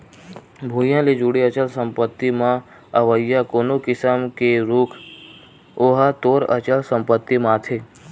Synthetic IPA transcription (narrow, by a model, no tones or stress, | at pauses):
bʱuːjãled͡ʒuɽiət͡ʃəlsə̃mpət̪ːimã | əʋəjːakoːnokɪsəmkeɾuːkʰ | oɦat̪oːɾət͡ʃəlsə̃mpət̪ːimãːt̪ʰe